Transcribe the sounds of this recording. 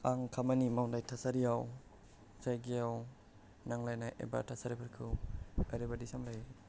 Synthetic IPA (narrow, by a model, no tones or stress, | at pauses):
aŋkʰamanimawndajtʰasaɾijaw | sajɡiaw | naŋlajnaʔḛba̰tʰasaɾipʰaɾkʰɯwaɾebadisamlaj